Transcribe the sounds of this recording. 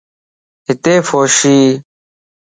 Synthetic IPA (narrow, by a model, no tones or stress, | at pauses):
ɦɪt̪eːfoːʃiː